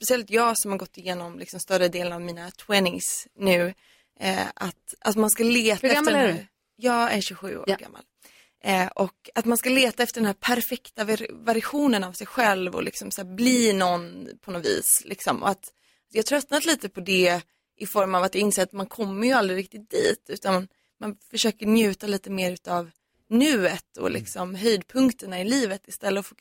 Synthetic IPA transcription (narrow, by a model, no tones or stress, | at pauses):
pɛsɪɛlt̪jɑːɡsɔmhaɾɡɔt̪ʰːɪjeːnɔmlɪksɔmst̪œɾəd̪eːlənavmiːnat̪ʰwɛnɪsnʉ̟ː | a̰t̪ʔat̪manskaleːt̪aɛ | jɑːæɕʉɧʉ̟̰ːo̰ːɡa̰mːa̰l | ʔɔkat̪manskaleːt̪aɛft̪əɾɖɛnhæːɾpʰæɾfɛkt̪avvæɾɪɧuːnənavsɛjɧɛlvɔ̰lɪksɔmsæːɾbliːnɔnːpʰɔnɔvḭːslɪksɔmʔɔ̰at̪ | t̪dɛhat̪ʰɾœt̪nat̪liːt̪əpʰɔd̪ɛ | ʔɪfɔɾmavat̪̚d̪ɛɪnseːɾat̪mankʰɔmːəɾjɵald̪ɾɪɾɪk̚t̪ɪt̪̚d̪̥ḭːt̪ʉ̟ːt̪an | manfœʂøːkəɾnjʉ̟ːt̪aliːt̪əmeːɾʉ̟ːt̪av | nʉ̟ːət̪ɔ̰lʔɪ̰ksɔmɦœjd̪̚pʰɵŋkt̪əɳaɪliːvət̪ɪst̪ɛlːəɔf